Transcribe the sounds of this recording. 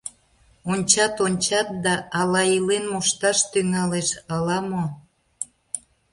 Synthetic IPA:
onʲt͡ɕɑt̪onʲt͡ɕɑt̪̚d̪ɑʔːlɑilenmuʃt̪ɑʃt̪yŋɑleʃɑlɑmo

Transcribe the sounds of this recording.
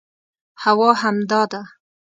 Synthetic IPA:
hawɑɦamd̪ɑd̪a

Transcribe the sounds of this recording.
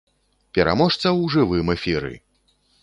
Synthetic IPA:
pʲɛɾʔa̰mɔʂt̪sɐwʐɨvɨmɛfʲiɾɨ̰

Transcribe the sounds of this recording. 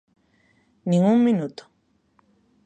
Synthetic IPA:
nĩŋummĩnut̪o̥

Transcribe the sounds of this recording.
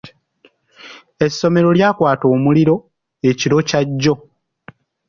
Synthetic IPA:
e̞sːo̞me̞ɾo̞ljaːkwaːto̞ːmuliɾo̞ | e̞ciɾo̞caɟːo̞

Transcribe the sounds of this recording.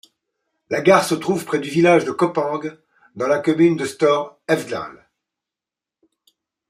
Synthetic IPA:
laɡaʁsət̪χuvpχɛd̪yvilaʒd̪əkɔpɑ̃ɡ | d̪ɑ̃lakɔmynd̪əst̪ɔʁɛvd̪la̰l

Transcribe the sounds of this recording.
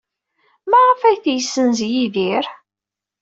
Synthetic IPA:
mæʁəfæjθjəsːənzjiðiɾ

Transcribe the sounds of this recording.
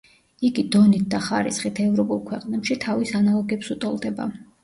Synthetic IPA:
iɡid̪ɔnit̪̚d̪aχaɾḭsχit̪ʰɛvɾɔpʼulˠkʰwɛqʼnɛpʃit̪ʰavisanalˠɔɡɛpsut̪ʼɔlˠd̪ɛba̰

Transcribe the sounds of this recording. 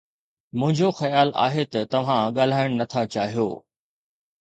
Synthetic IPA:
mʊ̃ɦɪ̃ɲd͡ʑoxɐjaːla̰ːɦet̪ɐt̪ɐʋ̤ãɠaːl̤aːɪɽ̃nɐt̪ʰat͡ɕaːɦijo̰ː

